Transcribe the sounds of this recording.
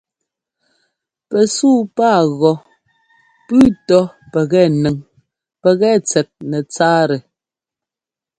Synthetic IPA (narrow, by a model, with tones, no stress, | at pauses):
pɛ˨suː˦˨paː˦˨ɣɔ˨ | pʉː˦tɔ˦ | pɛ˨ɣɛ˦˨nɛ˨ŋ | pɛ˨ɣɛ˦t͡sɛ˨t̚nɛ˨t͡saː˦ɾɛ˨